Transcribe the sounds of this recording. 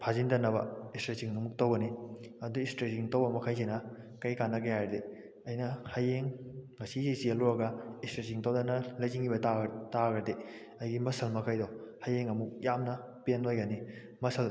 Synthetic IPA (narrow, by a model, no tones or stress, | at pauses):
pʰazindɐnːɐβɐ̰istɾesiŋɐmuk̚towɡɐniɐduistɾesiŋtowbɐmɐkʰajsinɐ | kɐjkanːɐkɐjajɾɐde | ɐjnɐhɐjeŋŋɐsizisiɐluɾɐɡɐistɾesiŋtowdɐnɐlɐjziŋibɐtataɡɾɐde | ɐjɡimɐsʰɐlmɐkʰajdowhɐjeŋɐmuk̚jamnɐ | penojɡɐni | mɐsʰɐl